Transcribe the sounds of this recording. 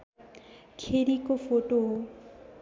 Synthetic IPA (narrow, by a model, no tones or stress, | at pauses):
kʰeɾikofoʈo